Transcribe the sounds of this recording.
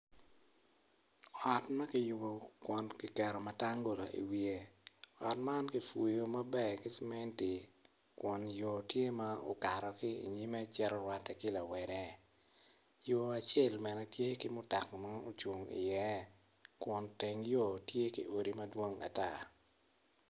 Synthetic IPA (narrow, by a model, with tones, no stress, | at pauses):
ɔ˨tmɐ˦kɪ˨jʊ˨bo˨kwɔ˨nki˨kɛ˨ɾɔ˨mɐ˦ta˦ŋɡo˨la˨ʔḭ˨wie˨ɔ˨tma˦nki˨fu˨jo˦mɐ˦bɛ˦ki˦smɛ˦nti˨ | kwɔ˨njo˨tje˦ma˦o̰˨ka˨ɾɔ˨kɪ˦ḭ˨ɲi˦mɛ˦t͡ʃɛ˦ɾɔ˦ɾwa˨tːɛ˨kɪ˦la˨wɛ˨ɾɛ˦ | jo˨a˨t͡ʃe˦˨lmɛ˨nɛ˨tje˦kɪ˦mʊ˦ta˨kma˦o˦t͡ʃu˨ŋḭ˨jɛ˦ | kwɔ˨nte˨ŋjo˦˨tje˦kḭ˦ʔo˨ɾi˦mɐ˦dwo˦ŋa̰˨ta˦